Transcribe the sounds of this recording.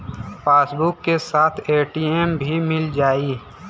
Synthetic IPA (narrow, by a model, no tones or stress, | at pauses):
paːsbʊkːesaːt̪ʰeːʈiːembʱimɪld͡ʒaːi